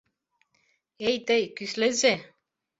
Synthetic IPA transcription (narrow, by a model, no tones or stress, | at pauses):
ejt̪ejkysleze